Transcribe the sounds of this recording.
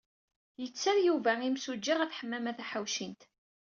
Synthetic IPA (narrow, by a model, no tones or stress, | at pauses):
jət͡sːaɾjuvæimsud͡ʒːiʁæθħəmːæmæθæħawʃint̪